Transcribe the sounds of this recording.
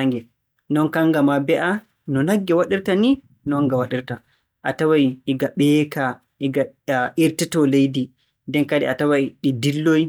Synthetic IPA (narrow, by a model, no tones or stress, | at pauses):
aŋɡɛ | nɔnkaŋɡamabɛʔa | nɔnaɡːɛwaɗiɾtani | nɔŋɡawaɗiɾta | ʔatawajɗiɡaɓɛːka | ʔiɡaʔiɾtitɔlejdi | ndɛnkadɛatawajɗidilːoj